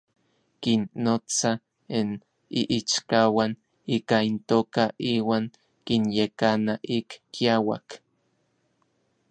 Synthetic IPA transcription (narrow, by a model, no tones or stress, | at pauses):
kinːot͡sa | in | iʔit͡ʃkawan | iːkaint̪oːkaʔiːwaːŋ | kinjekanaʔikːiawa̰k